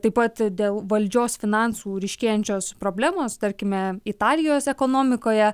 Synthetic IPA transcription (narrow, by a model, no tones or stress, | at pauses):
t̪ɐɪpɐt̪d̪ʲeːlˠʋɐlʲd͡ʒʲoːsfʲɪnɑnsuːɾʲɛɪʃʲkʲeːjɛnʲt͡ʃʲoːspɾoːbʲlʲæːmoːst̪ɐɾʲkʲɪmʲɛɪt̪ɑːlʲɪjoːsɛkoːnoːmʲɪkoːjɛ